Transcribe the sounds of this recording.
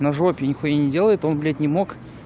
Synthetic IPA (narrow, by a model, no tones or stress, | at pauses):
nɐʐopʲnʲɪxonʲɪdʲe̞lˠəjɪt̪o̞nblʲet̪ʲnʲɪmok